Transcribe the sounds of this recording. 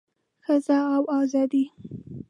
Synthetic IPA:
xəzaawɑzɑd̪i

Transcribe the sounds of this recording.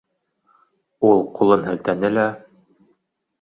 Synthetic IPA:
ulˠqulˠɤnɦɘ̆lt̪ænɘlæ

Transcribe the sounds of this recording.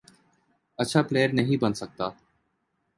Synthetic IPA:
əːʃʰaːpleːəɾnəɦĩbənsək̚t̪aː

